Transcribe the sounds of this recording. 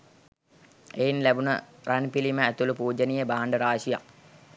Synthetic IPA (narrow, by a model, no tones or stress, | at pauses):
ejinlæbunə̰ranpiliməæt̪ulupuːd͡ʒənijebaɦaɳɖəɾaːʃija̰k